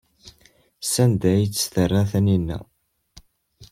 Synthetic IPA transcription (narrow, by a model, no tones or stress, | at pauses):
sænd̪æjit͡sːə̥st̪ərˤːæθæninːæ̰